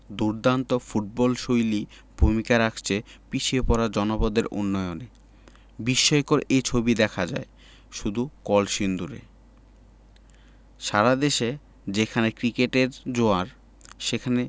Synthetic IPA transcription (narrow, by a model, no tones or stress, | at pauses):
d̪uɾd̪ant̪ofuʈ̚bɔlʃojli | bʱumikaɾakʰt͡ɕʰepiʃʰiepɔɾad͡ʑɔnopod̪eɾo̰nːɔjone | biʃːɔjkoɾejt͡ɕʰobid̪ɛkʰad͡ʑa̰e | ʃud̪ʱukɔlʃind̪uɾḛ | ʃaɾad̪eʃe | d͡ʑekʰanekɾikeʈeɾd͡ʑoaɾ | ʃekʰane